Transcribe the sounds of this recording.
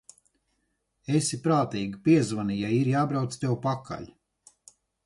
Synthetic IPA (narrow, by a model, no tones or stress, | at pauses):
esʲipɾaːt̪iːɡipiɛzvanijajiɾjaːbɾawt̪st̪ewpaka̰ʎʲ